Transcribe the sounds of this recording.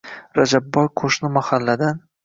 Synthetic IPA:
ɾad͡ʒabːɒjqʰoʃnɪmahalːad̪an

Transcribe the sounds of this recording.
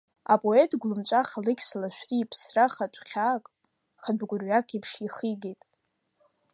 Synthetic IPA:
a̰pʼo̞etʰʼɡʷlɨmt͡ʃʷʼaχalɨkʲsalaʃʷᶣriːpʰsraχatʷʰʼχʲakʼ | χadʷɡʷʊrɥakʰʼipʰʂiχiɡʲejtʼ

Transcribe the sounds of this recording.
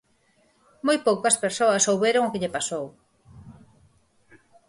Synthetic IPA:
mojpowkɐspeɾsoɐsowβeɾoŋokeʎepasow

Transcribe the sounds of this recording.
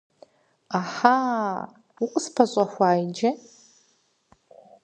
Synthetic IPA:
aħa | uqʷʼspʰaɕʷʼaxʷaːjd͡ʒɐ

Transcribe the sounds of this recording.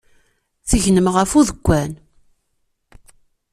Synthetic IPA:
θəʝnəmʁəfuðəɡʷːæn

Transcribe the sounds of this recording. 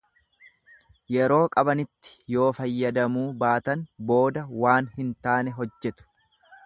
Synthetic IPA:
jɛɾo̞ːkʼɐbɐnɪt̪ːɪ̥jo̞ːfɐjːɐd̪ɐmuːbaːt̪ɐnbo̞ːd̪ɐwaːnhɪnt̪aːnɛɦɔd͡ʒːɛt̪ʊ̥

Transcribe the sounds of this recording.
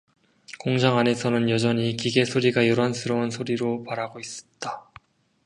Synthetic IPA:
koŋd͡ʑaŋane̞sʰʌnɯnjʌd͡ʑʌɲikiɡe̞sʰoɾiɡajʌɾansʰɯɾʌunsʰoɾiɾopaɾaɡois͈ʌ̥t̚t͈a

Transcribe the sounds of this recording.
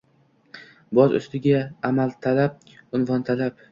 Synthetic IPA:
bɒzʊ̰st̪ɪɡʲaːmalt̪ʰalap̚ | ʊnvɒnt̪ʰalap

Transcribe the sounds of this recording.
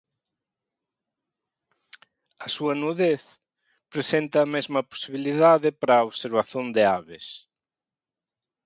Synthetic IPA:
ɐsuɐnuðeθ | pɾesent̪ɐːmezmɐpo̥siβiliðaðɪpaɾɐoβseɾβaθjond̪eaβɪs

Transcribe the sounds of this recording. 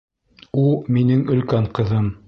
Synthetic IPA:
ulˠminɘŋɵ̆lkæŋqɤ̆ðɤm

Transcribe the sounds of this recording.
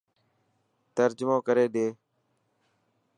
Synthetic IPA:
t̪əɾd͡ʒmõːkəɾeːɗeː

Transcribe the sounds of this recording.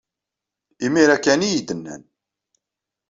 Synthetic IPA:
imiɾækːænijid̪ənːæ̰n

